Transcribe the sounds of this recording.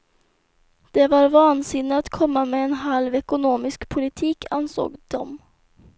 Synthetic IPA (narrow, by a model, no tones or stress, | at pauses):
d̪̥ɛvaɾvɑːnsɪnːɪat̪kʰɔmːamɛːnɦalvɛkʊnoːmɪskpʰʊlɪt̪ʰiːkʰanso̰ːɡd̪̥ɔm